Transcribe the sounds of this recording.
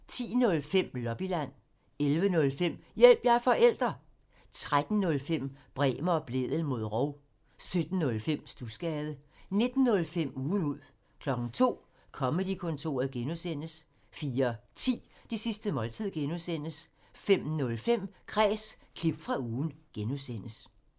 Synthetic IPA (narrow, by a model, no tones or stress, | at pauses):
t͡sʰḭːnɔ̽lfem̰lɒ̽b̥ilæn̰ | elʋənɔ̽lfem̰jel̰b̥jɑ̈fɒ̽ʔel̰d̥ʁɐ | t͡sʰʁad̥n̩ːɔ̽lfem̰b̥ʁɛ̰ːmɐɒ̽b̥le̝ðˠəl̩mo̝ð̞ˠʁɒʊ | sød̥n̩ːɔ̽lfem̰sd̥usɡ̥ɛːðˠəne̝d̥n̩ːɔ̽lfem̰uːn̩uð̰ˠ | kʰlɒ̽ɡ̥n̩t͡sʰo̝̰ː | kʰɒ̽məd̥ikʰɔ̽nt͡sʰo̝̰ːɐð̩ˠɡ̥enusen̰əs | fiːɐt͡sʰḭːd̥isisd̥əmɒ̽lt͡sʰið̰ˠɡ̥enusen̰əs | fem̰nɔ̽lfem̰kʰʁɛːskʰlib̥fʁɑ̈uːn̩ɡ̥enusen̰əs